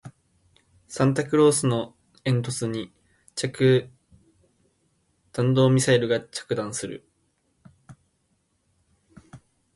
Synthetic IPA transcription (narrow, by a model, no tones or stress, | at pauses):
sãnt̪̬akɯ̟ɾo̞ːsɨno̞ | ẽ̞nt̪̬o̞t͡sɨɲ̟i | t͡ɕakɯ̟ | t̪ãnd̪o̞ːmʲisaiɾɯ̟ɡat͡ɕḁkɯ̟d̪ãɰ̃sɨɾɯ̟̰